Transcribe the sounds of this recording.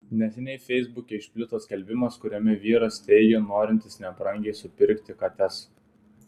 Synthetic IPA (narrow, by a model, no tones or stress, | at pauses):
nʲɛsʲɛnʲɛɪfʲɛɪzbʊkʲeɪʃʲpʲlʲɪt̪oskʲɐlʲbʲɪmɐskʊɾʲomʲɪʋʲiːɾɐst̪ʲɛɪjʲoːnoːɾʲɪnʲt̪ʲɪsnʲɛɐpɾɐŋʲɡʲɛɪsʊpʲɪɾʲˑkt̪ʲɪkɐt̪ʲɛs